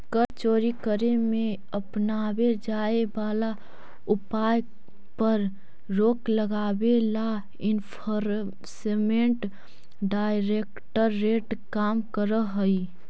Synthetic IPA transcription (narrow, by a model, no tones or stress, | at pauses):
kəɾt͡ʃoːɾikəɾemẽ | əpnaːwed͡ʒaːebaːla | ʊpaːj | pəɾ | ɾoːkləɡaːbela | ɪnpʰəɾ | semẽɳʈ | ɖaːɪɾeːkʈəɾːeːʈkaːmkəɾəɦəi